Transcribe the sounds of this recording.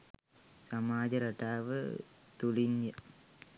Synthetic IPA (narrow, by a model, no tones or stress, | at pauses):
sɐmaːd͡ʑɐɾɐʈːaːʋɨ̰t̪uɭiɲjɐ